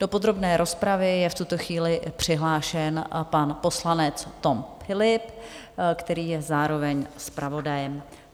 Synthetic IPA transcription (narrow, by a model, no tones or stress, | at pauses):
d̥o̞pod̪ɾo̞bnɛːɾʔo̞spɾavɪjɛft̪ut̪o̞xviːlɪpr̝̥ɪɦlaːʃɛnpanpo̞slanɛt͡st̪o̞mfɪlɪp | kt̪ɛɾiːjɛzaːɾo̞vɛɲspɾavo̞dajɛm